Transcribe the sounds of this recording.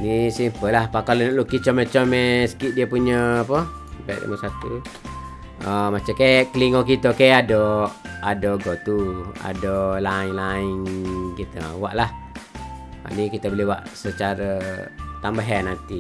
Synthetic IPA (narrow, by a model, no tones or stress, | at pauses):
nisimpəlahpakalənəʔlukit͡ʃɔmet͡ʃɔmesə̥kiʔ̪̚diəpuɲəːpə | baʔd̰məsat̪u | əmat͡ʃakekəliŋokit̪əkeadɔadɔɡot̪ua̰dolaiŋlaiŋkit̪ə̰wa̰ʔlah | a̰nikit̪əbəliwa̰ʔsət͡ʃaɾət̪ambəɦənːant̪i